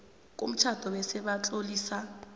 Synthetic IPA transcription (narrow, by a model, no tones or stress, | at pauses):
k̬ʼṵm̩t͡ʃʰad̥ʱɔwɛsɛɓat͡ɬʼoliːsa